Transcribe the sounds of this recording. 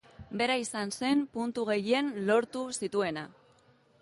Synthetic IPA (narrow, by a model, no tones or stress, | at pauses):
be̞ɾaisanse̞mpunt̪uɣ̞e̞je̞nlo̞ɾt̪usit̪ue̞na